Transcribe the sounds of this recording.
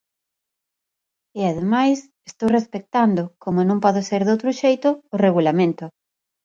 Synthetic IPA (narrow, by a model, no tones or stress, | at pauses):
ɪaðemajs | est̪owrespek̚t̪and̪ʊkomonõmpɔðoseɾðowt̪ɾʊʃejt̪ʊːreɣulamẽnt̪ʊ